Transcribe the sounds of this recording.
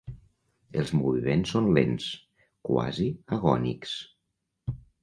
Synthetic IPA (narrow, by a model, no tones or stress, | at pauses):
əlˠzmuβimensːonlḛns | kwa̰ziəɣɔnḭks